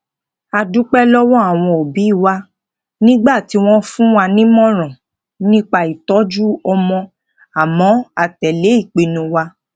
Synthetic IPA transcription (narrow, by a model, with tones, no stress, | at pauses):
a˧du˦k͡pɛ˦lɔ˦wɔ̃˦a˦˨w̃ɔ̃˧o˨bi˨˦i˦˨wa˧ | nĩ˦ɡ͡ba˦˨ti˨˦w̃ɔ̃˦fũ˦wa˧nĩ˦mɔ̃˦˨ɾ̃ɔ̃˨ | nĩ˦k͡pa˧i˨tɔ˨˦d͡ʒu˦ɔ˧mɔ̃˧ | a˨mɔ̃˨˦a˧˨tɛ˨le˨˦i˦˨k͡pe˧nũ˧wa˧